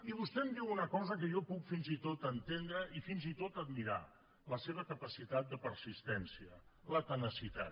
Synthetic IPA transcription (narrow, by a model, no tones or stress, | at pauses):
iβust̪ɛmd̪iwunəkɔzəkəʒɔpukfinzit̪ot̪ənt̪end̪ɾəʔifinzit̪ot̪əd̪miɾa̰ | ləseβ̞əkəpəsit̪at̪̚d̪əpəɾsist̪ɛnsiələt̪ənəsit̪a̰t̪